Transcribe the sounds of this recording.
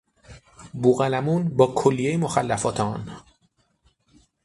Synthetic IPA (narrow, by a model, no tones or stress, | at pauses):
buːɣælæmuːnbɒːkʰolːijejemoxælːæfɒːt̪ʰeɒ̰ːn